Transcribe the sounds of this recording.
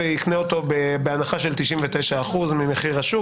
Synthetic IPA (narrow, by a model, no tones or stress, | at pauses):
eikneo̞t̪o̞bebeanaχaʃe̞lt̪iʃimvet̪ejʃaːχuzmime̞χiʁaʃu